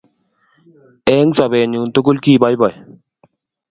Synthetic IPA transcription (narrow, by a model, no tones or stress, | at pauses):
eːŋsɐbeːnuːnt̪ukulkiːbajbaj